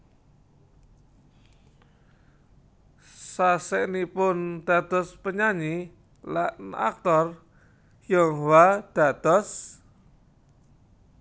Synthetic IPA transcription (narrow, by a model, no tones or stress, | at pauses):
saseʔnipʊnd̪̥a̤d̪̥ɔ̤spəɲaɲi | laʔna̰k̚t̪ɔr | jɔŋwad̪̥a̤d̪̥ɔs